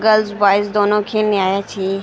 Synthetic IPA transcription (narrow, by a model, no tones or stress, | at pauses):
ɡəlzbaːɪs̬d̪oːnõkʰelniaːjat͡ʃʰiː